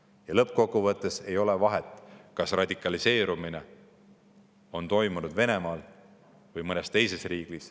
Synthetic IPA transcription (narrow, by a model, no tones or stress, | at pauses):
jɑlɤp̚ːˑko̞kːuvɤt̪ːˑe̞se̞jo̞levɑɦet̪ːˑkɑsrɑd̪ikːˑɑlise̞ːɾumine̞ | o̞nt̪o̞jmunud̪ve̞ne̞mɑːl | vɯjmɤnest̪e̞jse̞sriːɡ̥lis